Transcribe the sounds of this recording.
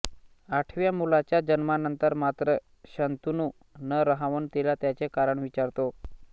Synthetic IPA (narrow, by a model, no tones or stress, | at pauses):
aʈʰʋjamulat͡ɕjad͡ʑənmanənt̪əɾmat̪ɾə | ɕənt̪unu | nəɾəɦaʋunt̪ilat̪jat͡sekaɾəɳʋit͡ɕaɾt̪o